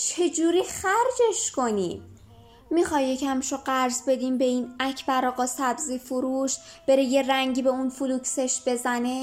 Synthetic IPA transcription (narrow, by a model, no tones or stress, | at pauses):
t͡ʃʰe̞d͡ʒuːɾiːxæɾd͡ʒe̞ʃko̞niː | mixɒːjːecʰæmʃoɢæɾzbe̞d̪iːmbe̞iːnæcʰbæɾɒːɣɒːsæbziːfuɾuːʃb̥e̞ɾeje̞ræŋɟiːbe̞unfulukse̞ʃb̥e̞zæne̞